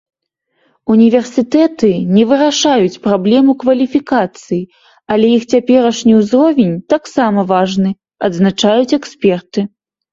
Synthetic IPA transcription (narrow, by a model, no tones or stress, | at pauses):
unʲivʲɛrsɨt̪ɛt̪ɨnʲɛvɨɾaʂajut͡sʲpɾablʲɛmukvɐlʲifʲikat̪sɨji | ɐlʲɛjixt͡sʲapʲɛɾɐʂnʲiwzrɔvʲɛnʲt̪aksamɐvaʐnɨ | ɐd̪znat͡ʂajut͡sʲɛksʲpʲɛrt̪ɨ